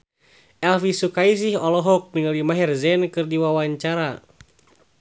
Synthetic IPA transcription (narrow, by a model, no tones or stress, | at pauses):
ʔɛlfisukais̬iɦɔlɔɦɔk̚niŋəlimaɦɛrzɛnkɨrdiwawaɲt͡ʃaɾa